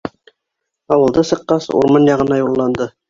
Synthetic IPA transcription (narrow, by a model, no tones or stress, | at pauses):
ɑwɤ̆lˠd̪ɤsɤ̆qːɑsṵɾmɑnjɑʁɤ̆nɑjulˠːɑnd̪ɤ